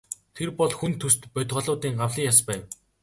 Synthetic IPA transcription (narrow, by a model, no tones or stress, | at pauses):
t̪ʰerpɔɮxunt̪ʰɵst̪pœt̪ʲʁɔ̆ɮʊːt̪iːŋɢawɮiːŋjaspæːw